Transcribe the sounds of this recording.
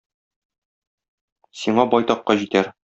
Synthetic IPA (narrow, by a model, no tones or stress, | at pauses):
siɴɑbɒjt̪ɑqːɑʑit̪æɾ